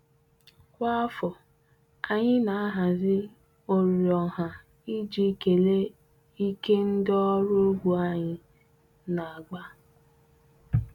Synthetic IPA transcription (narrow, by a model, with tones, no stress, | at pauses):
kʷa˦fɔ˨ | a˨ɲɪ˦na˨a˦ɦa˨zɪ˦ | o˨ɾjɔ˨ɦa˨ | i˦d͡ʒi˦ke˨le˦ | i˦ke˦n̩˦dɔ˦ɾʊ˦o˦ɡʷu˨a˦ɲɪ˨ | na˨a˨ɡʷa˦